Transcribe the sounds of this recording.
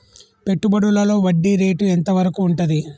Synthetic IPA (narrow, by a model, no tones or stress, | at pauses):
pe̞ʈːubɐɽulɐlo̞ːʋɐɖːiɾe̞ːʈuent̪ɐʋɐɾɐkuːɳʈud̪i